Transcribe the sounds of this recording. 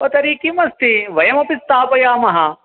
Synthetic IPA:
ɐt̪ɐɾiːkimɐst̪iʋɐjɐmɐpist̪aːpɐjaːmɐɦɐ

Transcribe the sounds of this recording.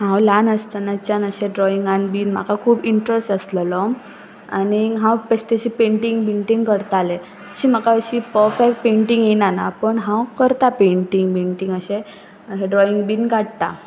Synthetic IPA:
ɦãwlanəst̪anat͡ɕjanəɕeɖɾɔiŋɡanbiːnm̤a̰kʰakʰuːbiɳʈɾesʈəsləlɔ | a̰niɦãwpəɕt̪eɕiːpẽɳʈiŋɡbeɳʈiŋɡkəɾt̪ale | əɕiːmakaəɕiːpəɾfɛk̚peɳʈiŋɡjenanapəɳɦãwkəɾt̪apeɳʈiŋɡpeɳʈiŋɡəɕẽ | ɦẽɖɾɔiŋɡbiːnkaʈt̪a̰

